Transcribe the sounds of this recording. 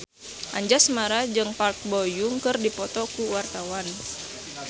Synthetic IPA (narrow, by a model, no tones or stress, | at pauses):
ʔaɲd͡ʒasmaɾad͡ʒɨŋpalt̪̚bojuŋkɨrdipɔt̪ɔkuwart̪awan